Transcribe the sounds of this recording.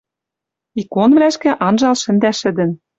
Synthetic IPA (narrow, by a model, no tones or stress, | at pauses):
ikonβlæʃkĕʔɑnʒɑlʃɘ̆nd̪æʃɘ̆d̪ɘ̆n